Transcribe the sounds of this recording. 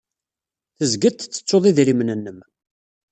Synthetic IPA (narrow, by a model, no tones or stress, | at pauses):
θəzɡət̪t͡sːə̥t͡sːoðˤiðɾimnənːəm